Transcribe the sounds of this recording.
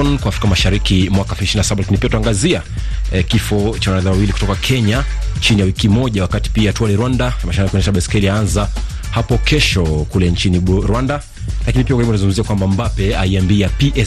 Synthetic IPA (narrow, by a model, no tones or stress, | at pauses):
ɔnkwaːfɾikamaʃaɾikimwakaɛfiʃininasaɓalakinipiatuaŋɡazia | kifɔt͡ʃawanaɾɛðawawilikutɔkakʰɛɲat͡ʃinijawikimɔʄawakati̥piatuwaliɾwandamaʃaɾikwɛnɛʃaɓɛskɛliaanza | hapɔkʰɛʃɔkulɛnt͡ʃiniɾwanda | lakinipiakimbunazuŋɡumziakwambambapɛaiambiapiʔɛ